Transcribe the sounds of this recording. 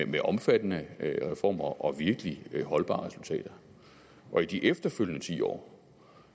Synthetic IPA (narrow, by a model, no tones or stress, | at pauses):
meʔɒ̽mfæd̥ənəʁɛfɒ̰ːmɐʔɒ̽ʋiɐɡ̥əliɦɒ̽lb̥ɑ̈ːʁɛsult͡sʰɛ̰ːd̥ɐ | ʔɒ̽id̥iʔefd̥ɐføl̰jnət͡sʰḭːɒ̰ː